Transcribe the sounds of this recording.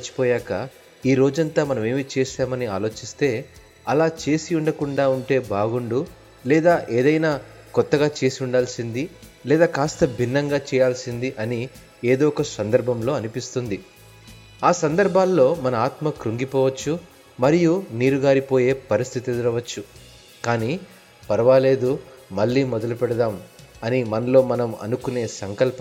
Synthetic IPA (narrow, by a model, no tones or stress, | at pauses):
t͡ʃːi̥pɔːjaːkɐ | iːɾo̞ːd͡ʒɐnt̪aːmɐnɐme̞ːmit͡ʃeːʃaːmɐnia̰ːlo̞ːt͡ʃist̪e̞ː | ɐlaːt͡ʃe̞ːsiuɳɖɐkuɳɖaːuɳʈe̞ːbaːɡuɳɖu | lɛːd̪aːʔeːd̪ɐjnaː | kɔt̪ːɐɡaːt͡ʃe̞ːsiuɳɖaːlsind̪ilɛːd̪aːkaːst̪ɐbʱinːɐŋɡaːt͡ʃɛːjaːlsind̪iʔɐni | eːd̪oːɔkɐsɐnd̪ɐɾbʱɐmlo̞ːɐnipist̪und̪i | aːsɐnd̪ɐɾbʱaːlːo̞ːmɐnɐaːt̪mɐkɾuŋɡipɔːʋɐt͡ʃːu | mɐɾijuniːɾuɡaːɾipo̞ːje̞ːpɐɾist̪ʰit̪ed̪iɾɐʋɐt͡ʃːu | kaːniː | pɐɾɐʋaːle̞ːd̪u | mɐɭːiːmɔd̪ɐlupɛɽɐd̪aːmɐnimɐnɐlo̞ːmɐnɐmɐ̰nukune̞ːsɐŋkɐlp